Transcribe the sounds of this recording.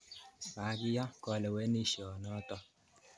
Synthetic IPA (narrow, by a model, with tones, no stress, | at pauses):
sa˨˦ɡi˦ja˦kɔ˨lɛ˨wɛ˦ni˦ʃɔ˨nɔ˦t̪ɔ˦